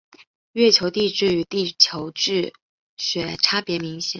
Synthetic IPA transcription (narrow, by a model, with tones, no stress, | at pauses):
ɥɛ˥˩t͡ɕʰjo˧˥ʊt̪i˥˧ʈ͡ʂɻ̩˥˩y˧˥˦t̪i˥˩t͡ɕʰjo˧˥ʊʈ͡ʂɻ̩˥˩ | ɕɥɛ˨˩ʈ͡ʂʰa˥pjɛ˧˥mi˧˥ŋɕjɛ˨˩˦